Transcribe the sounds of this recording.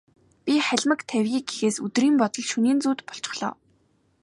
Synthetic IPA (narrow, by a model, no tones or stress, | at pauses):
pʲiχæɮʲmə̆kt̪ʰæwʲɣiːɡɡexeːsɵt̪riːmpɔt̪ɞ̆ɮʃuniːnt͡suːt̪pɔ̥ɬt͡ɕɪ̥̆χɮ̥ɔ̰ː